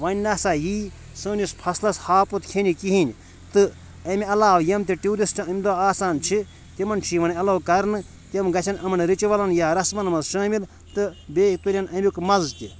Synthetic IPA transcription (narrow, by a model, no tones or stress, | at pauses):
ʋɐnʲnɐsaːjiː | sɨːnʲispʰɐslɐshaːput̪kʰenʲikiɦinʲ | t̪ɨ | ɐmʲiɐlaːʋjɐmt̪ʲiʈuːɾisʈɐmʲd̪oːaːsaːnt͡ʃʰi | t̪ʲimɐnt͡ʃʰiʋɐniɐlɐːwkɐɾnɨ | t̪ʲɐmɡɐt͡ʃʰɐnɐmɐnɾit͡ʃiʋɐlɐnjaːɾɐsmɐnmɐzʃɐːmil | t̪ɨbeːt̪uɾʲɐnɐmʲikmɐzt̪ʲi